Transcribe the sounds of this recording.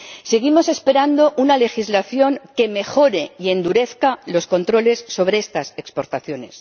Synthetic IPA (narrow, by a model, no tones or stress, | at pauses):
seɣ̞imo̞se̞spe̞ɾand̪o̞ʔunale̞xizlaθjo̞ŋke̞me̞xo̞ɾe̞ie̞nd̪uɾe̞θkalo̞sko̞nt̪ɾo̞le̞sːo̞β̞ɾeest̪ase̞kspo̞ɾt̪aθjo̞ne̞s